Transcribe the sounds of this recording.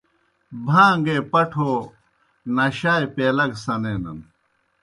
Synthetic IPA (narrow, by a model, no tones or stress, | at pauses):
bʱãːŋɡeːpɐʈʰoː | nɐɕaːjpeːlɐɡsɐneːnɐ̰n